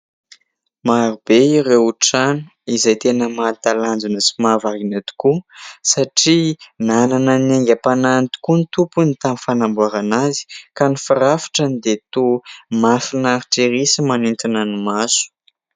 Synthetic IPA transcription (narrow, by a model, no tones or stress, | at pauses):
maɾubeiɾewuʈ͡ʂanu̥izajt̪enəmat̪aland͡zunəsi̥mavaɾinat̪u̥kusaʈ͡ʂinananəneŋɡʲəpanant̪i̥kunt̪upunit̪amifanambuaɾanazi̥kanifiɾafi̥ʈ͡ʂənid̪et̪omafinaɾiʈ͡ʂeɾisimanint̪inanumasu̥